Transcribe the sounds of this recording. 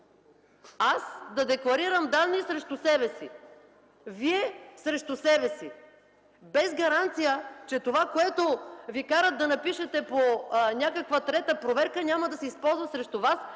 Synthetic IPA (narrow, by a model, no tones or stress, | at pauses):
asd̪ɐd̪ɛklˠɐɾiɾɐmd̪anːisɾɛʃt̪ʊsɛbɛsi | viɛsɾɛʃt̪ʊsɛbɛsi | bɛzɡɐɾant̪sijət͡ʃɛt̪ovakoɛt̪ovikaɾət̪̚d̪ɐnɐpiʃɛt̪ɛponʲakəkvət̪ɾɛt̪əpɾovɛɾkənʲamɐd̪ɐsɛispɔlˠzvɐsɾɛʃt̪ʊvas